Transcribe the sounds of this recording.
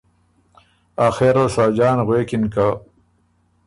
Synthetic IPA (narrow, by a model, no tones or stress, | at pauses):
axeɾasaːd͡ʑaːnɣweːkinka